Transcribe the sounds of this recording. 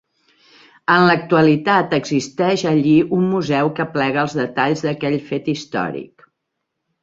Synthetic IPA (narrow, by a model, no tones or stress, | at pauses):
ənlək̚t̪uəlit̪at̪əɡzist̪ɛʃəʎiumːuzɛwkəplɛɣəəlˠzðət̪aʎzðəkɛʎfet̪ist̪ɔ̰ɾḭk